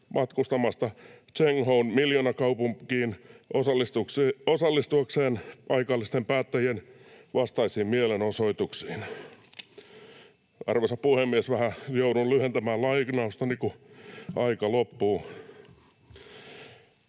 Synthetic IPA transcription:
mʔɑt̪kust̪ɑmɑst̪ɑt͡ʃeŋhounmiljonɑkɑupuŋkiːnʔosɑlisukːosɑlːist̪uɑkseːnpɑikɑlːist̪empæːt̪ːæjienʋɑst̪ɑisiːmmielenosoit̪uksi̥ːn | ɑ̰rʋesɑppuhemːiesʋæhæjoudunlyhent̪æmæːlɑiknɑust̪ɑnikuʔɑikɑlopːuː

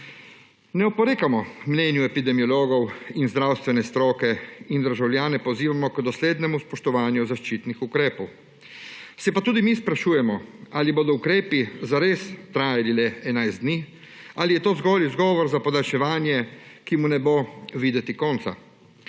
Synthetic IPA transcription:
nɛɔpɔɾeːkamɔmnɛnjuɛpid̪ɛmiɔloːɡɔwinzd̪ɾawst̪ʋɛnɛst̪ɾɔːkɛind̪əɾʒawljaːnɛpɔziːʋamɔkd̪ɔsleːd̪nɛmuspɔʃt̪ɔʋaːnjuzaʃt͡ʃiːt̪nixukɾɛːpɔw | sɛpat̪uːd̪imispɾaʃuːjɛmɔaliboːd̪ɔukɾeːpizaɾeːst̪ɾaːjalilɛɛnajzd̪niː | alijɛt̪oːzɡɔːlizɡɔːʋɔɾzapɔd̪alʃɛʋaːnjɛkimunɛboʋiːd̪ɛt̪ikɔːnt̪sa̰

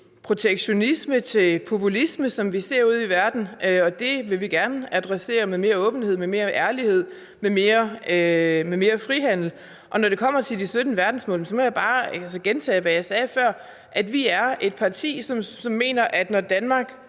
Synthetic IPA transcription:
pʰʁo̝t͡sʰeɡ̥ɕo̝nismət͡sʰe̝pʰo̝pʰulisməsɒ̽mʋise̝ɐ̰uð̞̰ˠiʋæɐd̥n̩ʔɒ̽d̥e̝ʋe̝ʋiɡ̥æɐnəæd̥ʁɛse̝̰ːɐmeme̝ːɐɔ̽ːb̥n̩he̝ð̰ˠmeme̝ːɐʔæɐlihe̝ð̞̰ˠ | meme̝ːɐ | meme̝ːɐfʁiɦæn̰l̩ | ʔɒ̽nɒɾ̥e̝kʰɒ̽m̰ɐt͡sʰe̝ld̥isød̥nəʋæɐd̥n̩smɔ̰̽ːls̬ɒ̽mɒ̽jɑ̈b̥ɑ̈ːælsəɡ̥ent͡sʰɛ̰ːʋæjɑ̈ɪsɛːfɶɐ̰ | ʔæd̥ʋiæɐe̝d̥̚pʰɑ̈t͡sʰḭːsɒ̽msɒ̽mːe̝̰ːnɐʔæd̥nɒd̥ænmɑ̈ːɡ̥

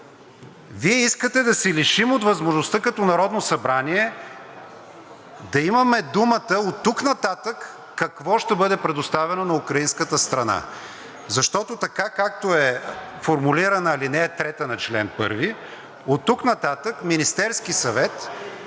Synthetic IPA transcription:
viɛiskət̪ɛd̪ɐsɛliʃimot̪vɐzmoʒnost̪akɐt̪ɔnɐɾɔd̪nosɐbɾaniɛ | d̪ɐimɐmɛd̪umət̪əot̪ːuknɐt̪at̪əkː | ɐkvɔʃt̪ɛbɤd̪ɛpɾɛd̪ʊst̪avɛnonɐukɾɐinskət̪əst̪ɾɐna̰ | zɐʃt̪ɔt̪ot̪ɐkakak̚t̪oɛfoɾmuliɾɐnəilinɛt̪ɾɛt̪ənɐt͡ʃlɛ̰npɤ̰ɾvi | ot̪ːuknɐt̪at̪əkminist̪ɛɾskisɐvɛt̪

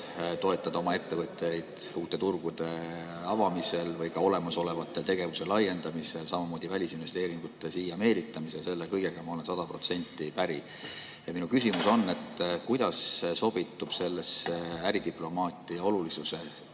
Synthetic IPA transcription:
t̪o̞e̞t̪ˑːɑd̪ɑo̞mɑe̞t̪ːe̞vɤt̪ːˑejd̪̥ | uːt̪ːˑe̞t̪urɡ̥ud̪̥e̞ | ɑvɑmise̞lvɤjkɑo̞le̞mɑso̞le̞vɑt̪ːˑe̞lt̪e̞ɡ̥e̞vuse̞lɑjːe̞nd̪ɑmise̞lsɑmɑmo̞ːd̪̥ivælʲisinve̞st̪e̞ːɾiŋɡ̥ut̪ːˑesiːjɑme̞ːlit̪ːˑɑmiselse̞lːekɤjɡ̥eɡ̥ɑmɑo̞lensɑd̪̥ɑpro̞t̪se̞nʲt̪ːˑipæɾi | jɑminukysimuso̞nːe̞t̪ːˑkujd̪̥ɑsso̞b̥it̪ːˑub̥se̞lːesæɾid̪iplo̞mɑːt̪ːˑiɑo̞lulisuse̞

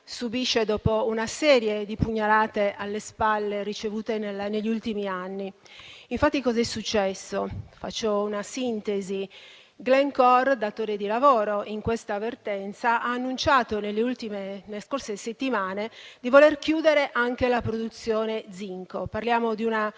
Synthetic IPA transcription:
subiʃːed̪ɔːpounasɛːɾjed̪ipuɲːalaːt̪eʔalːespalːerit͡ʃevuːt̪enelneʎːiult̪imianːi | iɱfat̪ːikɔzɛsut͡ʃːɛsːofa̰t͡ʃːounasint̪ezi | ɡlɛŋkɔrd̪at̪oːɾed̪ilavoːɾoʔiŋkwest̪avert̪ɛnt̪saʔaːnːunt͡ʃaːt̪onelːeult̪imenelːeskorseset̪ːimaːned̪ivolerkjuːd̪eɾeʔaŋk̟elapɾod̪ut̪sːjoːned̪ziŋkoparljaːmod̪iuna

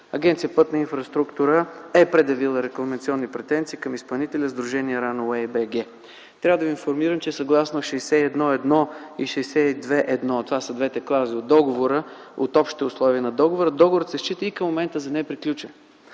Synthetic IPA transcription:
ɐ̰ɡʲɛnt̪sijəpɤt̪nɐinfɾɐst̪ɾukt̪uɾəɛpɾɛd̪jɐvilˠəɾɛklˠɐmɛnt̪siɔnːipɾɛt̪ɛnt̪siːkɐmispɐlˠnit̪ɛlʲəzd̪ɾuʒɛniɛɾanoɛbɛɡɛ | t̪ɾʲavəd̪əvinfoɾmiɾəmt͡ʃɛsɐɡlˠasnoʃɛsɛɛd̪nɔɛd̪nɔiʃɛjsɛid̪vɛʔɛd̪nɔt̪ovasəd̪vɛt̪ɛklˠaziod̪ːɔɡovoɾə | o̰t̪ɔpʃt̪it̪ɛʊslˠɔviənɐd̪ɔɡovoɾəd̪ɔɡovoɾət̪sɛʃt͡ʃit̪əikɐmːomɛnt̪əzɐnɛpɾiklʲut͡ʃɛn

